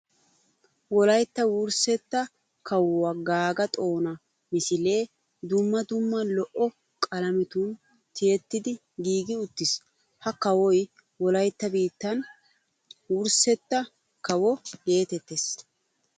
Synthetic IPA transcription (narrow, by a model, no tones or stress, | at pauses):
wɔlɐjt̪ːɐwʊɾsɛt̪ːɐ | kɐwwaɡaːɡɐt̪ʼo̞ːnɐ | mɪsɪle̞ː | d̪ʊmːɐd̪ʊmːɐnlɔʔɔ | kʼɐlɐmɪt̪un | t̪ɪjɛt̪ːɪd̪ɪ | ɡiːɡɪʊt̪ːɪs | hɐkɐwɔj | wɔlɐjt̪ːɐbiːt̪ːɐn | wʊɾsɛt̪ːɐ | kɐwɔɡe̞ːt̪ɛt̪ːes